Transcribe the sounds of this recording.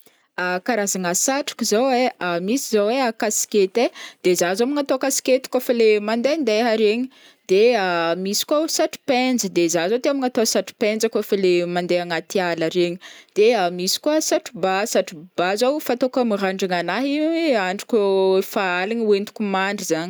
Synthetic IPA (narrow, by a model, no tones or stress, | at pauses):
akaɾazaŋasaʈ͡ʂḁkʲizoweamisizoweakasi̥ket̪ed̪̥ezazomiŋat̪oakasi̥ket̪i̥kʷafalemand̪eand̪eɦaɾeɲi̥ | d̪̥eamisi̥kasaʈ͡ʂi̥pend͡zəd̪ezazot̪eamiŋat̪oasaʈ͡ʂi̥pend͡zəkafalemand̪eaŋat̪ialaɾeɲid̪̥eamisi̥kuəsaʈ͡ʂibasaʈ͡ʂib̥azofat̪okamiraɳɖ͡ʐiŋanaɦiaɳɖ͡ʐi̥kʲufaalinuwent̪u̥kʲumaɳɖ͡ʐizaɲi̥